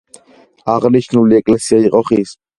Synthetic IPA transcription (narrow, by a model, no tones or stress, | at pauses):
aʁniʃnuliekʼlesjajqʼoχis